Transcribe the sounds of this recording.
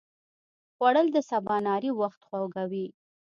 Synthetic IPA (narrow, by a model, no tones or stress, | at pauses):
ɣwaɽəld̪əsabɑnɑɾiwaxt̪xwawɡawi